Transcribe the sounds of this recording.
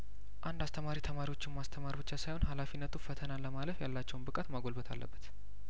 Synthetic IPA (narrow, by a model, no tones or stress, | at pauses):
ʔand̪ast̪ʰəmaɾit̪ʰəmaɾiwo̞t͡ʃːɪnmast̪ʰəmaɾibɨt͡ʃːasajhonɦalafinːət̪ʰufət̪ʰənaləmaləfjalːat͡ʃːɛwnbɨkʼat̪maɡo̞lbət̪ʰa̰lːə̰bːət̪